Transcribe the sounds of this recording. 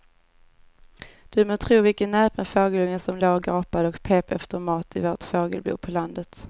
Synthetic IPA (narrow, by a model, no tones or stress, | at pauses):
d̪̥ɵmoːt̪ʰɾuːvɪlkənːɛːpmɛfoːɡəlɵŋːəsɔmloːɡɑːpad̪əɔkpʰeːpɛ̰ft̪əɾmɑːt̪ʰɪvoːʈfoːɡəlbṵːpʰɔland̪ət̪